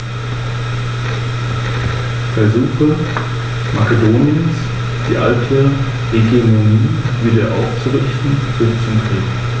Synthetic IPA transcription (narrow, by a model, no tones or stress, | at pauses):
fɛɐzuːxə | makedoːniəns | d̥iːʔaltʰə | hɛɡemoniːviːdɐʔa̰ʊft͡suʁɪçtn̩b̥ɪst͡sʊmfʁeːɡn̩